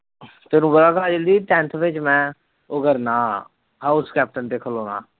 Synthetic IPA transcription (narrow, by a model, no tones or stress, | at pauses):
t̪eːnũːbəlaːkaːd͡ʒəld̪iːʈ̪ɛ̃ːnt̪ʰbɪt͡ʃmɛ̃ː | ʊɡəɾnaː | ɦaːʊskɛːp̚ʈənt̪eːkʰəloːnã̰ː